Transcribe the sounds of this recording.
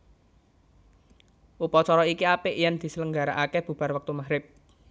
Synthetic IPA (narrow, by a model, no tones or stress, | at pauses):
ʔupɔt͡ʃɔɾɔikiapɪʔjand̪̥i̤sələŋɡa̤ɾaʔakɛb̥ṳb̥a̤rwək̚t̪umaɦɾɪp̚